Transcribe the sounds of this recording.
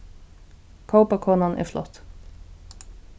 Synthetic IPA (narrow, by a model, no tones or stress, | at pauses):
kʰəʊpɑkʰoːnɑnʔæ̰ːflɔ̰t̪